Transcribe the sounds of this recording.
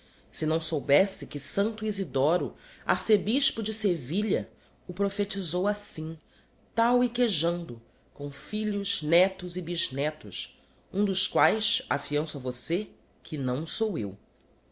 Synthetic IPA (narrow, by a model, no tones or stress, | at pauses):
sɪnɐ̃w̃sowbɛsɪkɪsɐ̃nt̪ʊizid̪ɔɾʊa̰ɾsebiʃpʊd͡ʒɪseviʎɐ | ʊpɾofet͡ʃizowasĩ | t̪awikeʒɐ̃nd̪ʊ | kõw̃fiʎʊʒ̥nɛt̪ʊzɪbiʒnɛt̪ʊ̰ʃ | ũd̪ʊʃkwajʃa̰fiɐ̃sʊɐvose | kʰɪnɐ̃w̃sowew